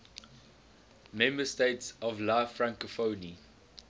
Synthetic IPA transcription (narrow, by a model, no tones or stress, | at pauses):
mɛ̃mbəsteɪtsɔvlaɪfɹãŋkəfoːni